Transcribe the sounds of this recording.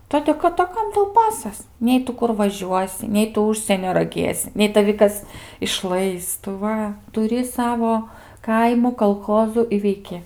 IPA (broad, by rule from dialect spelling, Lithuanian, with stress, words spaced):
ˈtoːdʲeː kɐt ɐ ˈkɐm ˈtɐʊ ˈpɑːsɐs ˈnʲɛɪ tʊ ˈkʊr ʋɐˈʒʲuɔsʲɪ ˈnʲɛɪ tʊ ˈʊʃʲsʲiɛnʲoː rɐˈɡʲeːsʲɪ ˈnʲɛɪ tɐˈʋʲɪ kɐs ɪʃˈlˠɐɪs tʊ ˈʋɐ tʊˈrʲɪ ˈsɑːʋoː ˈkɐɪmuː kɐlˠˈxoːzʊ ɪ ʋʲɛɪˈkʲɪ